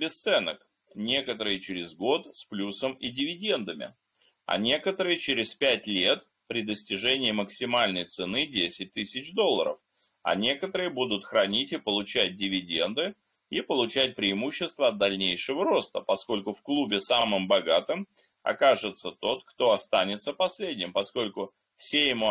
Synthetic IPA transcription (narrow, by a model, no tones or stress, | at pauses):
bʲɪst̪sɛnək | nʲe̞kət̪əɾɨjɪt͡ɕɪɾʲɪzɡo̞t̪sʲplʲusəmɪdʲɪvʲɪdʲe̞nd̪əmʲɪ̰ | ɐ̰nʲe̞kət̪əɾɨjɪt͡ɕɪɾʲɪspʲætʲlʲe̞t̪ | pɾʲɪd̪əsʲtʲɪʐɛnʲɪːməksʲɪmalʲnəjt̪sɨnɨdʲesʲɪt̚ʲt̪ɨsʲɪt͡ɕd̪o̞lˠːə̰ɾə̰f | ɐ̰nʲe̞kət̪əɾɨjəbud̪ʊt̪xɾɐnʲitʲɪpəlˠʊt͡ɕæt̚ʲdʲɪvʲɪdʲe̞nd̪ɨ | ipəlˠʊt͡ɕæt̚ʲpɾʲɪːmuɕːɪst̪vəːd̪̚d̪ɐlʲnʲejʂɨvəɾo̞st̪əpɐsko̞lʲkʊfklˠubʲɪsamɨmbɐɡat̪ɨm | ɐ̰kaʐɨt̪sət̪o̞t̪kt̪o̞ɐst̪anʲɪt̪səpɐsʲlʲedʲnʲɪmpɐsko̞lʲkʊ | fsʲejɪmu